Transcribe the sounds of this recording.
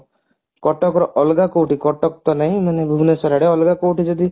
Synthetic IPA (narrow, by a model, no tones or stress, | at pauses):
kɔʈɔkɾɔʔɔlɡakowʈikɔʈɔkt̪ɔnaɦĩmanebʱubnesɔɾaɽeɔlɡakoʈid͡ʒɔd̪i